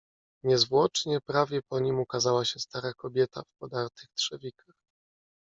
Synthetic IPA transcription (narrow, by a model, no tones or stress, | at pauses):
ɲɛzvwɔt͡ʂɲɛpɾavʲjɛpɔɲimukazawaɕɛst̪aɾakɔbʲjɛt̪a̰fpɔd̪aɾt̪ɘxt̪ʂɛvʲikax